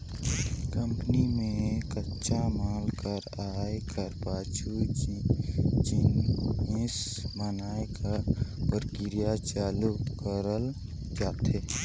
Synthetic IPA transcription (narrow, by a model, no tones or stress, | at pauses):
kəmpnimẽkətːʃʰamaːlkəɾaːekəɾpaːt͡ʃu | d͡ʒinɪs | mənaːekapəɾkɪɾijat͡ʃaːlukəɾəl | d͡ʒaːt̪e